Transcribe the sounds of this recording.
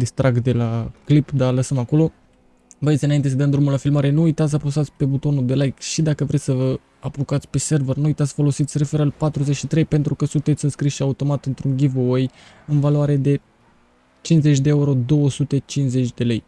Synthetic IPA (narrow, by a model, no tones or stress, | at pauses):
d̪ist̪ɾak̚t̪d̪e̞laklipd̪aləsəmako̞lo̞ | bəjet̪ʲɨnaint̪e̞s̬əd̪əmd̪ɾumulafilmaɾe̞nuːjt̪at̪sʲsəposat̪sʲpe̞but̪o̞nuld̪e̞lajkʃid̪akəvɾesʲsəvə | apokat̪sʲpe̞se̞rvernuujt̪at̪sʲfo̞lo̞sit̪sʲre̞feɾəlpat̪ɾuze̞t͡ʃʃit̪ɾe̞jpe̞nt̪ɾukəsunt̪et̪sʲɨnskɾisʃiaut̪o̞mat̪ɨnt̪ɾuŋɡʲivooj | ɨnvaloaɾe̞d̪e̞ | t͡ʃinze̞t͡ʃʲd̪e̞euɾo̞d̪o̞wəsut̪e̞t͡ʃinze̞t͡ʃʲd̪e̞le̞j